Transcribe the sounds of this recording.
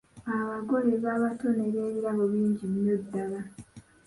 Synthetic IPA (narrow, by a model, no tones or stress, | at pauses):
aβaɡoleβaβatoneɾe̞ːβiɾaβoβiːɲɟinjodːala